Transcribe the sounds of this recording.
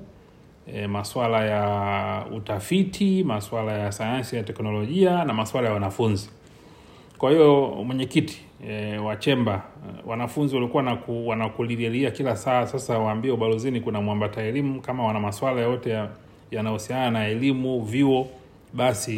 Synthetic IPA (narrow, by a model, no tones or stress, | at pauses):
ɛmaswalaja | ṵtafitʰimaswalajasajansijatɛknɔlɔʄianamaswalajawanafunzi | kwahijɔmwɛɲɛkiti̥ | wat͡ʃɛmbawanafunziwalikuwanakuwanakulilɛliakilasaːsasawaːmbiɛuɓalɔzinikunamwambataɛlimukamawanamaswalajjɔtɛ | janahusiananaɛlimuviɔ | ɓasi